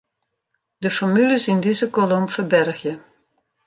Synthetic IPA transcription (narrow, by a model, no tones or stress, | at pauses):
dəfɔɹmyləsɪndɪzəkɔlɔmfəɹbɛrxjə